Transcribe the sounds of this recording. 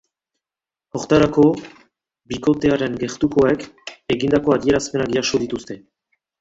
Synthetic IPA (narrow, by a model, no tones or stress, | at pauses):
oɾt̪aɾako̞ | biko̞t̪e̞aɾe̞ŋɡe̞ɾt̪uko̞ekeɣind̪ako̞aðie̞ɾaspe̞naɡiasoðit̪ust̪e̞